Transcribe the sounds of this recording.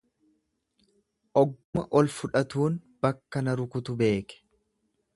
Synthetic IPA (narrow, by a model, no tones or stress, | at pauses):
ʔɔɡʊmɐʔɔlfʊᶑɐt̪uːnb̥ɐkːɐnɐɾʊkʊt̪ʊbe̞ːkɛ̥